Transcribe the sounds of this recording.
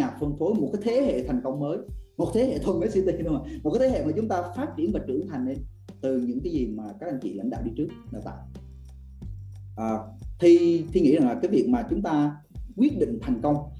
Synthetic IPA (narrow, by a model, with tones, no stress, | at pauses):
aː˨˩p̚fə˨˩nfo˨˦jmo˨˩t̚kaː˨˦jt̪ʰe˨˦hḛ˧˨t̪ʰa˨˩jŋ̟kə˧wŋ͡mməː˨˦jmo˨˩t̚t̪ʰe˨˦hḛ˧˨t̪ʰə˨˩nməː˨˦si˧t̪i˧˩ɗu˧maː˨˩m̚˨˩aː˨˦t̪ʰe˦ḛ˧˨maː˨˩t͡ɕʊ˨˦ŋ͡mt̪aː˧faː˦˥t̚t͡ɕi˧˩ənvaː˨˩t͡ɕɨ̰˧˩əŋt̪ʰa˨˩jŋne˧n | t̪ɨ˨˩ɲɨ̰˧˥ŋkaː˨˦jzi˨˩maː˨˩ka˦˥k̚a˧˩ŋ̟t͡ɕḭ˧˨la̰˧˥ŋ̟ɗa̰ː˧˨wɗi˧t͡ɕɨ˦˥ək̚ɗaː˨˩t̪a̰ː˧˨j | ʔəː˨˩t̪ʰi˧t̪ʰi˧ŋḭ˧˥za˨˩ŋlaː˨˩kaː˨˦jvi˨˩ək̚maː˨˩t͡ɕʊ˨˦ŋ͡mt̪aː˧ | kwi˦˥ət̚ɗḭ̈˧˨ŋ̟t̪ʰa˨˩jŋ̟kə˧wŋ͡m